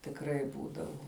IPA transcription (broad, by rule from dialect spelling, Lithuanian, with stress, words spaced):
tʲɪkˈrɐɪ ˈbuːdɐʋʊ